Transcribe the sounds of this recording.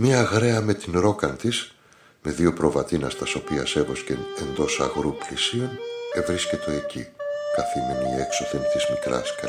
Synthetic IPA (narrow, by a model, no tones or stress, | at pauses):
miːɣɾe̞ɐme̞t̪inɾo̞kɐnt̪is | me̞ðio̞pɾo̞vɐt̪inɐ̰st̪ɐso̞piɐse̞vo̞scee̞nd̪o̞sɐ̰ɣɾuplisio̞ne̞vɾiscet̪o̞e̞cḭkɐθimeniːe̞kso̞θent̪izmikɾɐ̰ske